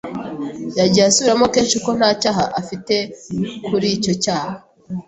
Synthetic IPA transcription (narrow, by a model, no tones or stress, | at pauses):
jaɟaasuiɾamo̞keːnʃuko̞n̥haːcaːɦaʔafite̞kʰuɾiːco̞caːha